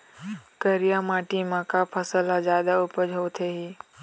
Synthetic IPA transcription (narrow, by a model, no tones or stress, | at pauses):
kəɾijamaːʈĩmãːkapʰəsəlazjaːd̪aʊpəd͡ʒʱowt̪ʰeɦiː